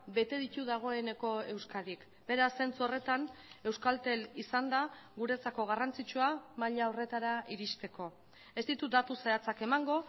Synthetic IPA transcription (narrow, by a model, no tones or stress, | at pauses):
be̞t̪e̞ðit̪uðaɣ̞o̞e̞ne̞ko̞e̞wskaðik | be̞ɾase̞nt͡suore̞t̪ane̞wskalt̪e̞lisand̪aɣuɾe̞t͡sako̞ɣ̞arant͡sit͡ʃuamaʎaore̞t̪aɾaiɾist̪e̞ko̞ | e̞zt̪it̪ud̪at̪usaat͡sake̞maŋɡo̞